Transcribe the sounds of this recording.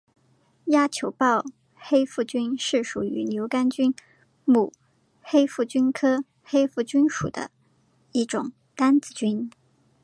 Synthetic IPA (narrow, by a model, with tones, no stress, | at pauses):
ja˥t͡ɕʰjo˧˥ʊpɑ˥˩ʊ | xe˥ɪfu˥˩t͡ɕy˥nʂɻ̩˥˩ʂu˨˩y̰˧˥njo˧˥ʊka˥nt͡ɕy˥n | mu˨˩ | xe˥ɪfu˥˩t͡ɕy˥nkʰɤ˥ | xe˥ɪfu˥˩t͡ɕy˥nʂṵ˨˩d̪ə̰˦ | i˥˩ʈ͡ʂʊ˨˩˦ŋ | t̪a˥nt͡sɹ̩˨˩t͡ɕy˥n